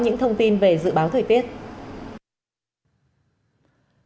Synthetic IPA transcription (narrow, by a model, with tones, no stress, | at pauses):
ɲɨ̰˧˥ŋt̪ʰə˧wŋ͡mt̪i˧nve˨˩zɨ̰˧˨ɓaː˨˦wt̪ʰəː˨˩jt̪i˦˥ət̚